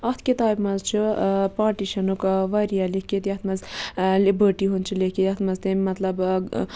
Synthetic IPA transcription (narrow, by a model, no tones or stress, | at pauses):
ɐt̪ʰkit̪aːjbmɐzt͡ʃʰɨpaːɾʈiʃɐnukʋɐɾijalikit̪jɐt̪ʰmɐzlibəɾʈiɦunt͡ʃʰɨlikiɐt̪ʰmɐzt̪emʲmɐt̪lɐb